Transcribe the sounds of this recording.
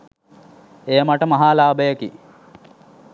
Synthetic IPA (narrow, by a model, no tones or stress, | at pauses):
eːəmaʈəmɐɦaːlaːbəjəki